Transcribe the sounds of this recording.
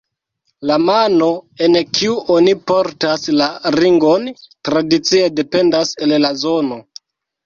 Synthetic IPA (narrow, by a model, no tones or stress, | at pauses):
lamano̞e̞nkʰiuʔonipo̞ɾtaslaɾiŋɡo̞ntɾadit͡sie̞de̞pe̞ndase̞llazo̞no̞